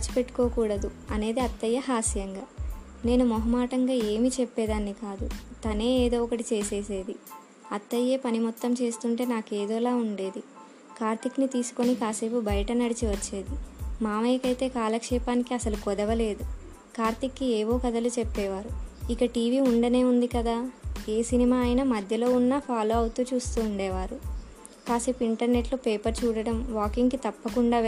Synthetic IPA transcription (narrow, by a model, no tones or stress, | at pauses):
at͡ʃi̥pe̞ʈːu̥ko̞ːkuːɽɐd̪uɐne̞ːd̪iɐt̪ːɐjːɐhaːsijɐŋɡaː | ne̞ːnumɔɦɐmaːʈɐŋɡaːe̞ːmit͡ʃepːɛːd̪aːnːikaːd̪ut̪ɐne̞ːeːd̪o̞ːɔkɐʈit͡ʃe̞ːse̞ːse̞ːd̪i | ɐt̪ːɐjːe̞ːpɐnimɔt̪ːɐmt͡ʃe̞ːst̪uɳʈe̞ːnaːkeːd̪oːlaːuɳɖe̞ːd̪i | kaːɾt̪iknit̪iːsu̥ko̞nikaːseːpubɐjɐʈɐnɐɽit͡ʃiʋɐt͡ʃːe̞ːd̪imaːmeːkɐjt̪e̞ːkaːlɐkʂɛːpaːnikiɐsɐlukɔd̪ɐʋɐle̞ːd̪u | kaːɾt̪ikːieːʋo̞ːkɐd̪ɐlut͡ʃepːɛːʋaːɾuikɐʈiːʋiːuɳɖɐne̞ːund̪ikɐd̪aːe̞ːsinimaːjinɐmɐd̪ʱjɐlo̞ːunːapʰaːlo̞ːɐwut̪uːt͡ʃuːst̪uːɳɖɛːʋaːɾu | kaːseːpuiɳʈɐɾne̞ʈloːpeːpɐɾt͡ʃuːɽɐɽɐmʋaːkiŋɡkit̪ɐpːɐkuɳɖaː